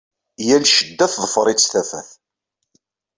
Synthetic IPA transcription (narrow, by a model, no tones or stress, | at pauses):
jælʃəd̪ːæθðˤəfɾˤit͡sːθæfæ̰θ